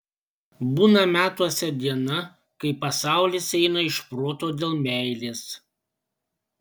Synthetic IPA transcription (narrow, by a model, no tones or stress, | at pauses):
buːnɐmʲæːt̪uɔsʲɛd̪ʲiɛnɐ | kɐɪpɐsɑˑʊlʲɪsɛɪnɐɪʃpɾoːt̪oːd̪ʲeːlˠmʲɛˑɪlʲeːs